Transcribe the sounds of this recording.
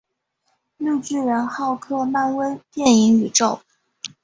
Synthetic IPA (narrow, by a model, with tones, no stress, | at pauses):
lu˥˧t͡ɕy˥˩ɻə˧˥nxɑ˥˧ʊkʰɤ˥˧ma˥˧nwe˥ɪt̪jɛ˥˩ni˧˥ŋy˨˩ʈ͡ʂo˥˩ʊ